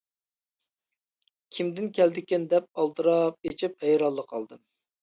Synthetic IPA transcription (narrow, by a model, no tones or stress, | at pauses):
kʲʰimd̪ɪnkʲʰɛld̪ɪkʲɪnd̪ɛp̚ɑlˠt̪ɨɾɑp̚et͡ʃʰiphɛjɾɑlˠːəqʰɑlˠd̪ɨm